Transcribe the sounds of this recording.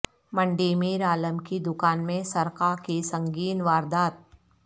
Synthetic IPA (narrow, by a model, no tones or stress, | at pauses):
mɐ̃ɳɖiːmiːɾaːləmkid̪ʊkaːnmẽsɐɾkakisɐ̃ŋɡiːnʋaːɾd̪aːt̪̚